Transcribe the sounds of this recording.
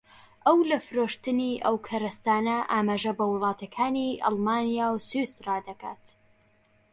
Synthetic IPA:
ʔɐwlɐfɨɾoːʃt̪ɨniʔɐwkʰɐɾɐst̪aːnɐʔaːmaːʒɐbɐwɨlˠɑːt̪ɐkʰaːniʔɑ̰lˠmaːnijaːwsusraːd̪ɐka̰ːt̪

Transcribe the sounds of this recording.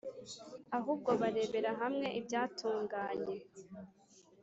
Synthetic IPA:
aɦuːb̚ɡo̞βaɾe̞ːβe̞ɾaɦamŋe̞ʔibɟaːtuːŋɡaːɲe̞

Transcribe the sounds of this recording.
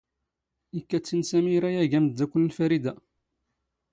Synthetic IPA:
ikːæt͡sːinsæmiɾæjæʝæməd̪ːækʷːʊlːlfæɾid̪æ

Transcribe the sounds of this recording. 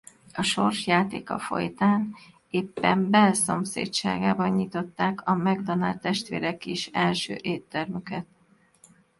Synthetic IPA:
ɒʃo̞rʃjaːt̪ḛːkɒ̰fo̞̰jt̪aːn | eːpːɛmbɛlso̞msḛːtt͡ʃa̰ːɡaːbɒɲːit̪o̞t̪ːaːkʰɒmɛɡd̪ɒnaːlt̪ːɛʃt̪ʋḛːɾɛkiʃɛlʃø̰ːʔeːt̪ːɛrmykɛt̪̚

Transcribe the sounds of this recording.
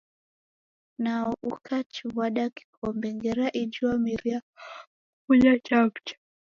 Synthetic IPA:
naɔʔukʰat͡ʃiβaɗaki̥kʰɔmbɛŋɡɛɾaʔid͡ʒuamiɾia | kuʄat͡ʃapt͡ʃḁ

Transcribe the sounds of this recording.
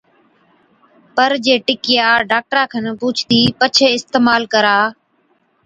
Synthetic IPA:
pəɾd͡ʒeːʈɪkɪjaːɖaːk̚ʈɾãːkʰənpuːt͡ʃʰt̪iːpət͡ʃʰeːɪst̪eːmaːlkəɾaː

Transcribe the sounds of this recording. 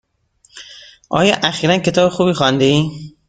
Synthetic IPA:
ʔɒ̰ːjɒ̰ʔæxiːɾænkʰe̞t̪ɒːbexuːbiːxɒnd̪ei

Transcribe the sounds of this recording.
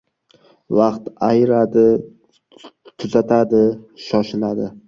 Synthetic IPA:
vaqt̪ajɾad̪ɪ | t̪ʰʊzat̪ʰad̪ɪʃɒʃɪlad̪ɪ

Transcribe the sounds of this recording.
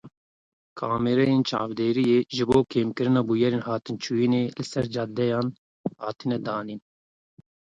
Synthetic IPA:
kʰɑːmɛɾɛjeːnt͡ʃʰɑ̰ːvd̪eːɾijeːʒɨboːkʰeːmkɨɾɨnɑːbujɛɾeːnhɑːt̪ɨnt͡ʃʰuːjineːlɨsɛɾd͡ʒɑd̪ɛjɑːn | hɑːt̪ʰinɛd̪ɑːniːn

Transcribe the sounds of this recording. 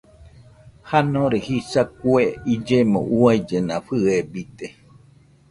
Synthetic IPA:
hanõɾehisakueid͡ʒemõ̰ʔuajd͡ʒenãɸɨebit̪e

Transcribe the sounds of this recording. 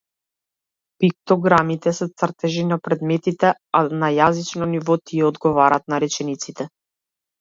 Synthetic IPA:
pik̚t̪ɔɡɾamit̪ɛsɛt̪srt̪ɛʒinapɾɛd̪mɛt̪it̪ɛanajazit͡ʃnɔnivɔt̪iɛɔd̪ɡɔvaɾaːt̪naɾɛt͡ʃɛnit̪sit̪ɛ

